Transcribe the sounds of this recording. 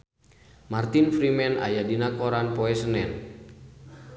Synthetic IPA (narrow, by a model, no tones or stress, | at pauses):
mart̪infɾimɛna̰jadinakoɾanpoɛsənɛn